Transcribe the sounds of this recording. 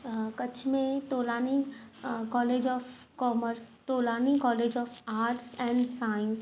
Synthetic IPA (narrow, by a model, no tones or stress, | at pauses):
kɐt͡ʃʰmẽt̪oːlaːni | kɔːleːd͡ʒɔːf | kɔːməɾst̪oːlaːnĩkɔːleːd͡ʒɔːfaːɾʈsɛ̃ːɳɖsaːɪ̃ns